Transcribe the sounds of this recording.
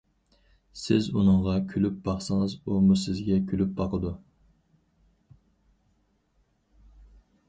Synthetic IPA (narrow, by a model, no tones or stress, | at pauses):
sɪzunɨŋʁɑkʲʰylyp̚bɑχsəŋɨzumusɪzɡʲɛkʲʰylyp̚bɑqʰəd̪u